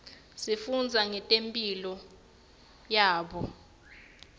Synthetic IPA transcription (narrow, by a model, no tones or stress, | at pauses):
sifund͡zʱaŋɛtʼempʼilɔ | jaːɓɔ